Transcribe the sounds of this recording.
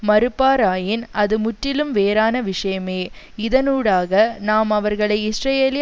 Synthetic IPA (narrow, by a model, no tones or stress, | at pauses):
mɐɾɯpːaːɾaːjɪnɐðɯmʊʈrɪlɯmʋeːɾaːnɐʋɪʂɐjɐmeː | ɪðɐnuːɽaːɣɐnaːmɐʋɐɾɣɐɭɐɪɪsɾɐjeːlɪ